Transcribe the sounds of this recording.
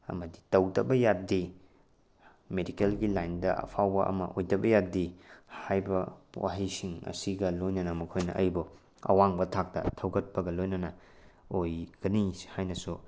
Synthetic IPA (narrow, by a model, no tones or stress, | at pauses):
ɐ̰mɐdi̥tɐwdɐbɐjat̚di | medikelɡilajndɐʔɐ̰pʰawbɐ̰ʔɐ̰mɐ̰ʔojdɐbɐjadihajbɐwa̰ɦɐjsiŋɐ̰siɡɐlojnɐnɐmɐkʰojnɐ̰ʔɐjbu | ɐ̰waŋbɐtʰak̚tɐ̰tʰɐwɡɐt̚pɐɡɐlojnɐnɐ | ojɡ̥ɐnihajnɐsu